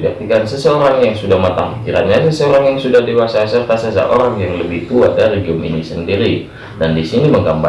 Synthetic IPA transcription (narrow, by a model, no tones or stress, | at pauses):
bak̚t̪ikansəsəoɾaŋjaŋsudahmat̪a̰ŋkiɾa̰t̪̚ɲasəsəoɾaŋjaŋsudahdewasasərt̪asəs̬a̰ʔoɾaŋjaŋləbɪht̪uadaɾiɡiʊmḭnisəndiɾi | dandisiniməŋɡamba